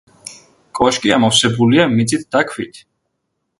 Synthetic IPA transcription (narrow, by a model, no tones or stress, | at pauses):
kʼwaʃkʼiamɔfsɛbuliamit̪sʼit̪̚ʰd̪̥akʰwit̪ʰ